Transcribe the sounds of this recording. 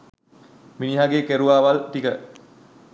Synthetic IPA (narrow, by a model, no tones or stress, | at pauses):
miniɦaɡeːkeɾuʋaːʋalt̪ikə